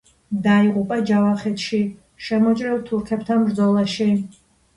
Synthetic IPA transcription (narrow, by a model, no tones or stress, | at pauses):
d̪aiʁupʼad͡ʒavaχɛt̪ʰʃi | ʃɛmɔt͡ʃʼɾɛlt̪ʰuɾkʰɛpʰt̪ʰanbɾd̪zɔlˠaʃi